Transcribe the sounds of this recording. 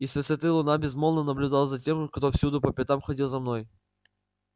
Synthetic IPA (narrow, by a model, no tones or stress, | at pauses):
isvʲɨsɐt̪ɨlˠʊnabʲɪzmolˠnənəblʲʊd̪alˠəzɐtʲe̞mkt̪ofsʲud̪ʊpəpʲɪt̪amxɐdʲilˠzɐmno̞j